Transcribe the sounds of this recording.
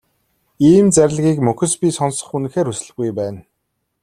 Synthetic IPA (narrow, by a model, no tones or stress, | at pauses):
iːmt͡sæɾʲɪ̆ɮɣʲiːkmɵxɵ̆spʲiːsɔnsə̥̆χun̆xeːɾusɘ̆ɮɣujpæːn